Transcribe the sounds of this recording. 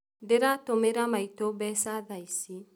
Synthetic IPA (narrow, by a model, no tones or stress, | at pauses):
ndeɾatomeɾamaitobɛsaðaisi